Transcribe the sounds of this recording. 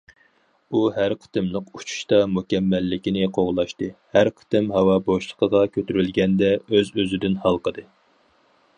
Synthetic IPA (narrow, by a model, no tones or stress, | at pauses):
uɦæɾqʰə̥t̪ɨmlˠəqut͡ʃʰu̥ʃt̪ɑmukʲɛmːɛlːɪkʲinɪqʰoʁlˠɑʃt̪ɨhæɾqʰə̥t̪ɨmɦɑwɑboʃlˠə̥qʰəʁɑkʲʰøt̪yɾylɡʲɛnd̪ɛøzøzɪd̪ɪnhɑlˠqəd̪ɨ